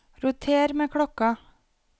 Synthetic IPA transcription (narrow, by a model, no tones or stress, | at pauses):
ɾʊt̪ʰeːɾmeːkʰɽɔkɑ